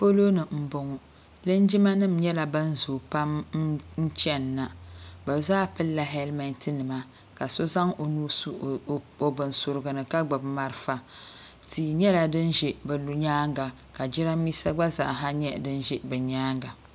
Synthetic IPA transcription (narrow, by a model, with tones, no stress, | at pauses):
fo˦lo˦nɨ˨m̩˨bʊ˨ŋʊ˨ | lɨ˦n˦d͡ʒi˦ma˦nɨ˦˨m̩ɲɛ˦la˨bɨ˦n̩˦zoː˨pa˦m˦n̩˦t͡ʃɛ˦nːa˨bɨ˨bzaː˦pɨ˦lːa˦ɦɛ˦lma˨n˦tɨ˦nɨ˨ma˦ | ka˨so˦za˦ŋo˨nuː˦s | o˨bɨ˨nsʊ˨ɾɨ˨ɡɨ˨nɨ˨ka˦ɡ͡ba˨bma˨ɾɨ˨fa˨ | tiː˨ɲɛ˦la˨dɨ˦nʒɛ˨bɛ˨lu˨ɲaː˦ŋɡa˨ | ka˨d͡ʒi˦ɾa˦m˦miː˦sa˦ɡ͡ba˦za̰˨ʔɦa˦ɲɛ˦dɨ˦n˦ʒɛ˦bɨ˨ɲaː˦ŋɡa˨